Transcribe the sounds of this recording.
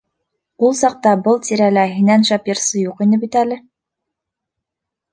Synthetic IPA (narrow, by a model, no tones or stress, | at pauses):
ulˠsɑq̚t̪ɑbɤlˠt̪iɾælæɦinænʃɑpjɤ̆ɾsɤjuqinɘbit̪ælɘ